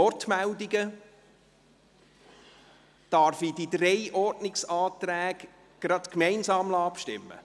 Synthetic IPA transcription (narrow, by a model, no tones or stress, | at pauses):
ɔɾtmældiɡə | d̥ɑɾfid̥id̪ɾɛɪʔɔɾdnɪksɑːt̪ɾæːɡ̥ | ɡ̥ɾɑd̪̥kmɛɪnsɑːmlɑpʃtɪ̰mːə̰